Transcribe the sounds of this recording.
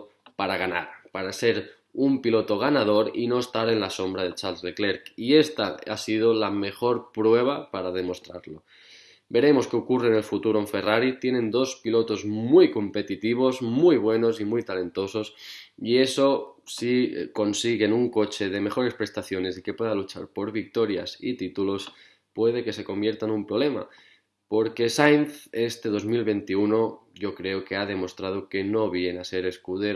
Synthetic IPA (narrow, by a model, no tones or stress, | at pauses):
paɾaɣana̰ɾpaɾaseɾ | umpilo̞t̪o̞ɣ̞anað̞o̞ɾḭno̞est̪aɾe̞nlaso̞mbɾað̞e̞t͡ʃalsðekle̞ɾkie̞st̪aasið̞olame̞xo̞ɾpɾwe̞β̞apaɾað̞e̞mo̞st̪ɾa̰ɾlo̞ | be̞ɾe̞mo̞skeokurene̞lfut̪uɾoeɱfe̞raɾit̪je̞nẽ̞nd̪o̞spilo̞t̪o̞zmujko̞mpe̞t̪it̪iβ̞o̞zmujβ̞we̞no̞simujt̪alẽ̞nt̪o̞so̞sie̞so̞siko̞nsiɣe̞nuŋko̞t͡ʃe̞ð̞e̞me̞xo̞ɾe̞spɾe̞st̪aθjo̞ne̞sike̞pwe̞ðalut͡ʃa̰ɾpo̞ɾβik̚t̪o̞ɾja̰sḭt̪it̪ulo̞s | pwe̞ð̞e̞ke̞se̞ko̞mbje̞ɾt̪anumpɾo̞βle̞ma̰ | po̞ɾke̞sajnθe̞st̪e̞ð̞o̞zmilβe̞nt̪iuno̞ʝo̞kɾe̞okeað̞e̞mo̞st̪ɾað̞oke̞no̞βje̞nase̞ɾe̞skuðeɾ